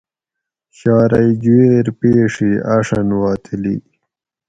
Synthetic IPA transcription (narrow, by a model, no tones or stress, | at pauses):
ɕɑːɾajd͡ʑeːɾpeːʂiaʂanwɑːt̪ʰilḭ